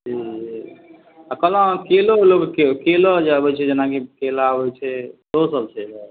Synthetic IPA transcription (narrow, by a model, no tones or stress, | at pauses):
d͡ʒi | akəlãkeloloɡkekelod͡ʒabɛt͡ʃʰɛd͡ʒenakikelabɛt͡ʃʰɛt̪osəb̚sʰed͡ʒa